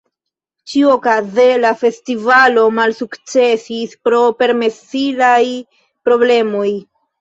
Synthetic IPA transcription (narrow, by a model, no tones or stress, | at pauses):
t͡ʃiuokaze̞lafe̞stivalo̞malsukt͡se̞sispɾo̞pe̞ɾme̞silaj | pɾo̞ble̞mo̞j